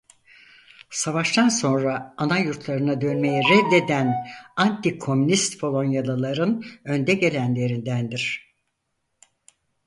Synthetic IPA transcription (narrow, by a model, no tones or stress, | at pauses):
savaʃt̪anso̞nɾaːnajuɾt̪ʰlˠaɾɯnad̪ø̞nme̞jiɾɛd̪ːe̞d̪ænant̪ikʰo̞mynist̪bʰo̞lˠo̞njalˠɯlˠaɾɯnø̞nd̪ɛɟe̞lʲænlʲe̞ɾind̪ænd̪iɾ̝̥